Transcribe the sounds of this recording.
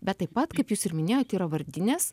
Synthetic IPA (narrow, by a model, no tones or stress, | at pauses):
bʲɛt̪̚ːɐɪpːɐt̪kɐɪpjuːsɪɾmʲɪnʲeːjoːt̪ʲiːɾɐʋɐɾʲd̪ʲɪnʲeːs